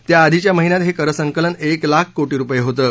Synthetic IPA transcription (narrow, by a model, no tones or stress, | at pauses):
t̪jaːd̪ʱit͡ɕjaməɦinjat̪ɦekəɾəsəŋkələneklakʰkoʈiːɾupəjeɦot̪əː